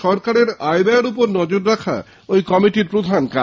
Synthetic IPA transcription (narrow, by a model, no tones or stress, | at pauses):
ʃɔɾkaɾeɾajbaeɾupoɾnɔd͡ʑoɾːakʰa̰ | ojkɔmiʈiɾpɾod̪ʱanka